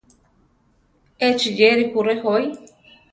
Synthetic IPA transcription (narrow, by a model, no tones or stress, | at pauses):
et͡ʃid͡ʒeɾipuɾehoj